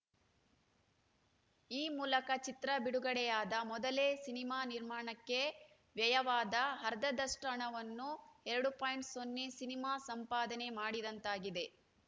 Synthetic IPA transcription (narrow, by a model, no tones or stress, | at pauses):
iːmuːlɐkɐt͡ʃit̪ɾɐbiɽuɡɐɽɛjaːd̪ɐmɔd̪ɐleːsinimaːniɾmaːɳɐkːe̞ | ʋjɐjɐʋaːd̪ɐɦɐɾd̪ɐd̪ɐʂʈɐɳɐʋɐnːuɛɾɐɽupaːjɳʈsonːesinimaːsɐmpaːd̪ɐne̞maːɽid̪ɐnt̪aːɡid̪e̞